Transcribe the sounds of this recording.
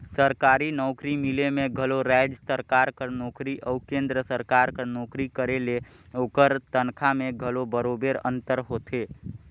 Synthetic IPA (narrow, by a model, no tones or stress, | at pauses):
səɾkaɾinɔʊkɾimilemeɡʱəloɾɛd͡ʒsəɾkaɾkəɾnɔkɾiʔəukẽnd̪ɾəsəɾkaɾkənɔkɾikəɾele | okəɾt̪ənkʰameɡʱəlobəɾobeɾə̰nt̪əɾɦot̪ʰe